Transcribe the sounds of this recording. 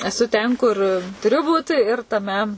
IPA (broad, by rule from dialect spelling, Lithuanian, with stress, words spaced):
ɛˈsʊ tʲɛn kʊr tʊˈrʲʊ ˈbuːt ɪr tɐˈmʲɛ